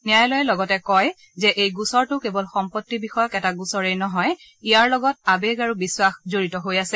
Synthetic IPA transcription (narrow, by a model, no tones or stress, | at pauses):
nijajlɔjɛlɔɡɔtɛkɔj | zɛʔejɡusɔɹtʊkebɔlxɔmpotːibixɔjɔkɛtaɡusɔɹejnɔɦɔj | ijaɹlɔɡɔt̚abeɡaɹubiswaxzoɹitɔɦojasɛ